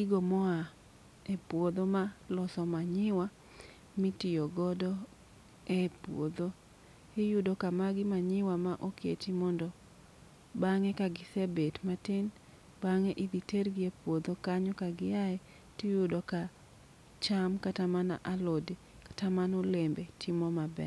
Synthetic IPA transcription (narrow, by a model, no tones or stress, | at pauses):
iɡomɔa | epwod̪omalɔsɔmaɲɪwa | mɪtɪjoɡɔdɔ | ɛpwo̰d̪o | ɪjʊdokamaɡɪmaɲɪwamaʔokḛtimɔndɔ | baŋɛkaɡɪsebetmatɪn | baŋɛʔɪd̪iterɡɪepwod̪okaɲɔkaɡɪjaɛ | tɪjʊdoka | t͡ʃamkatamana̰ʔalode | kḁtamanolembetʰɪmɔmabɛ̰